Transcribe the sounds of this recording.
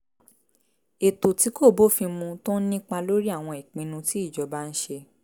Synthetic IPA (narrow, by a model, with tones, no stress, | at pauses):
e˨to˨ti˨˦ko˦˨bo˦˨fĩ˧mũ˧to˦n̩˦nĩ˦k͡pa˧lo˦ɾi˦a˦˨w̃ɔ̃˧i˨k͡pĩ˧nũ˧ti˨˦i˦˨d͡ʒɔ˨˧ba˦˧n̩˦ʃe˧